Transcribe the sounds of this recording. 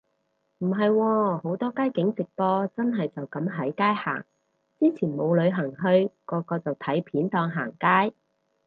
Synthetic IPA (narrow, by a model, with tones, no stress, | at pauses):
m̩˨˩ɦɐ˨jwɔː˧ho˨˥wt̪ɔː˥kaː˥jkɪ˨˥ŋt͡sɪ˨k̚pɔː˧t͡sɐ˥nɦɐ˨jt͡sɐ˨wkɐ˨˥mɦɐ˨˥jkaː˥jha̰ː˨˩ŋ | t͡siː˥t͡sʰiː˨˩nmo˨˧wlɵ˨˧ɥɦɐ˨˩ŋɦɵ˧ɥkɔː˧kɔː˧t͡sɐ˨wt̪ʰɐ˨˥jpʰiː˨˥nt̪ɔː˧ŋɦaː˨˩ŋkaː˥j